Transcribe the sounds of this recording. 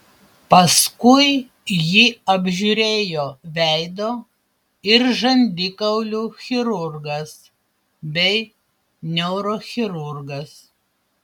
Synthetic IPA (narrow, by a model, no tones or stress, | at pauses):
pɐskʊɪ | jiːɐbʲʒʲuɾʲeːjoːʋʲæɪd̪oː | ɪɾʒɐnʲd̪ʲɪkɐʊlʲuːxʲɪɾʊɾɡɐs | bʲɛɪ | nʲɛʊɾoːxʲɪɾʊɾɡɐs